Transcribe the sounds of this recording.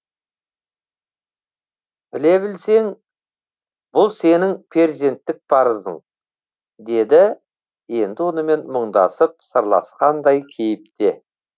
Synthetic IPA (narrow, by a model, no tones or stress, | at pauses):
b̥ɪle̞bɪlse̞ŋ | b̥ʊlˠse̞nɪŋpʰe̞ɾʲze̞nt̪ːɪk̚pʰɑɾəzəɴ | d̪e̞d̪ɪ | je̞nd̪ɪwo̞nəme̞nməɴd̪ɑ̰səp̚səɾlˠɑ̰sqɑnd̪ɑjkʲʰe̞jɪp̚t̪e̞